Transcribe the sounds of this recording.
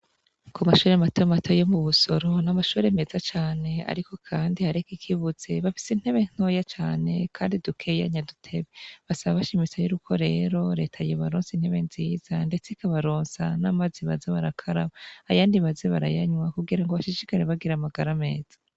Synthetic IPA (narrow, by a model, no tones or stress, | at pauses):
kʰumaʃuːɾematomato̞je̞muβuso̞ɾo̞namaʃuːɾe̞me̞zat͡ʃaːne̞a̰ɾiko̞kʰaːndihaɾekikʰiβuze̞βafi̥sin̥he̞βe̞n̥o̞jat͡ʃaːne̞kʰaːndidukʰe̞ja̰ɲadutʰe̞βeβasaβaβaʃimit͡sajuɾukʰo̞ɾe̞ːɾo̞ɾe̞ːtʰajoβaɾoːnsin̥he̞βe̞nziːz̥ande̞t͡seikaβaɾoːnsa̰namaziβazeβaɾakʰaɾaβaːjaːndiβazeβaɾa̰jaɲwakuɡiɾaŋɡoβaʃiʃikaɾeβaɡiɾamaɡaɾame̞ːz̥ḁ